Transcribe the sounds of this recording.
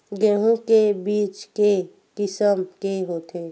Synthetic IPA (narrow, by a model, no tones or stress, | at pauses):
ɡẽɦõkebiːt͡ʃke | kɪsəmkeɦoːt̪ʰe